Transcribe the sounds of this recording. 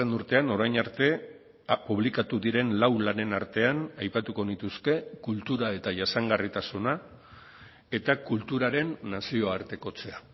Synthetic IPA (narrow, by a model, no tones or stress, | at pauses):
enuɾt̪e̞ano̞ɾajnaɾt̪e̞ | puβ̞likat̪uðiɾe̞nlawlane̞naɾt̪e̞anajpat̪uko̞nit̪uske̞kult̪uɾae̞t̪aʝasaŋɡarit̪asuna | e̞t̪akult̪uɾaɾe̞nːasio̞aɾt̪e̞ko̞t͡se̞a